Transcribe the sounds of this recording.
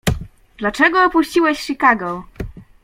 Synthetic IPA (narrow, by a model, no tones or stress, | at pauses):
d̪̥lat͡ʂɛɡɔːpuɕt͡ɕiwɛɕʂikaɡɔ